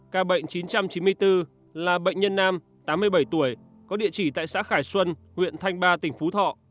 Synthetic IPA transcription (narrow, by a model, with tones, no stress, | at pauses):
kaː˧ɓə̰˧˨jŋ̟t͡ɕi˨˦nt͡ɕa˧mt͡ɕi˨˦nmɨ˧əjt̪ɨ˧ | laː˨˩ɓə̰˧˨jŋ̟ɲə˧nːaː˧m | t̪aː˨˦mːɨ˧əjɓə˧˩jt̪u˧˩əj | kɔ˨˦ɗḭ˧˨ət͡ɕi˧˩t̪a̰ː˧˨jsa̰ː˧˥xaː˧˩jswə˧nhwḭ˧˨ənt̪ʰa˧jŋ̟ɓaː˧t̪ï˧˩ŋ̟fu˨˦t̪ʰɔ̰˧˨